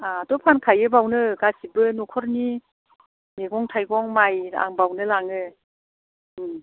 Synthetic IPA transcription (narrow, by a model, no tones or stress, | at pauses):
atɔpʰankʰajɯbawnɯɡasibɯnukʰɔɾni | meɡɔŋtʰajɡɔŋmaja̰ŋbawnɯlaŋɯ